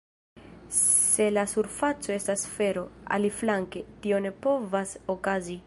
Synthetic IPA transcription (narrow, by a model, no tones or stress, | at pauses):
se̞lasuɾfat͡so̞e̞stasfe̞ɾo̞a̰liflaŋke̞tio̞ne̞po̞vasokazi